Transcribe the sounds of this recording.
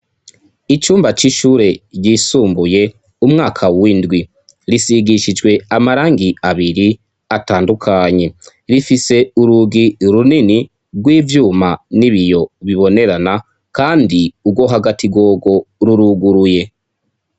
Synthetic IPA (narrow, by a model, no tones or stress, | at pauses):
it͡ʃuːmbat͡ʃiʃuːɾe̞ɟisuːmbuje̞ | umŋaːkʰawindɡwi | ɾisiɡiʃid͡ʒɡwe̞amaɾaːŋɡiaβiɾi | ataːndukʰaɲe̞ | ɾifise̞uɾuɡiɾunini | ɡwiːvjuːmaniβijo̞βiβo̞ne̞ɾana | kaːndiubɡwo̞ɦaɡatʰiɡo̞ːɡo̞ɾuɾuɡuɾuje̞